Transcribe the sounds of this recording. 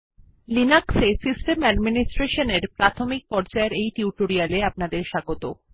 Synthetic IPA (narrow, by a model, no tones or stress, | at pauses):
linaksesisʈemɛɖminisʈɾeʃoneɾpɾat̪ʰomik̚pɔɾd͡ʑaeɾejʈiuʈoɾialeapnad̪eɾʃaɡot̪o